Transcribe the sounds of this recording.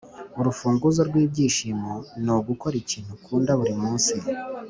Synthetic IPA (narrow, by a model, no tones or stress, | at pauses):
uɾufuːŋɡuzoɾɡwiːb̚ɟiːʃimonoɡukoɾiciːn̥hukʰuːndaβuɾimuːnsi